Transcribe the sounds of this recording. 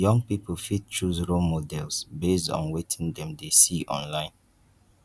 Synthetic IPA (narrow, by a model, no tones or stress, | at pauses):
jɔ̃ŋpipʰofid̚t͡ʃɹuzɹomodɛlsbesdɔ̰̃nwetʰĩŋdɛ̃mdesiʔɔ̰̃nlãɪ̃n